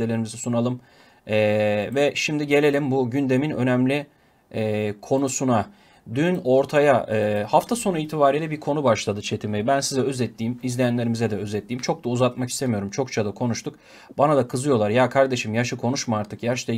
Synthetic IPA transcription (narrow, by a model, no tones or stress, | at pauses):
elʲe̞ɾimizisunalˠɯm | ɛvɛʃimd̪iɟe̞lʲe̞lʲimbuɟynd̪e̞minø̞̰næmlʲi | kʰo̞nusuna | d̪yno̞ɾt̪ʰajaɯːhaft̪ʰaso̞nuiːt̪ʰibaːɾijlʲɛbiɾkʰo̞nubaʃlˠad̪ɯt͡ʃʰe̞t̪ʰimejibænsizɛøzɛt̪ʰːiːmizlʲejænʲe̞ɾimizɛd̪ɛø̞zɛt̪ːiːmt͡ʃʰo̞k̚d̪auzat̪maki̥st̪e̞mijo̞ɾumt͡ʃʰo̞kt͡ʃʰad̪akʰo̞nuʃt̪ʰuk | banad̪akʰɯzɯjo̞lˠaɾjakʰaɾd̪e̞ʃimjaʃɯkʰo̞nuʃmaaɾt̪ʰɯkjaʃt̪a